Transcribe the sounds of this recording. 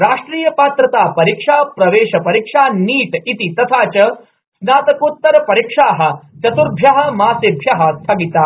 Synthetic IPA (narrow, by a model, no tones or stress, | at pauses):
ɾaːʂʈɾiːjɐpaːt̪ɾɐt̪aːpɐɾikʂaːpɾɐʋeːʂɐpɐɾikʂaːniːʈit̪it̪ɐt̪ʰaːt͡ʃɐ | snaːt̪ɐkoːt̪ːɐɾɐpɐɾikʂaːɦɐ̆t͡ʃɐt̪uɾbʱjɐɦɐ̆maːsebʱjɐɦɐst̪ʰɐɡit̪aː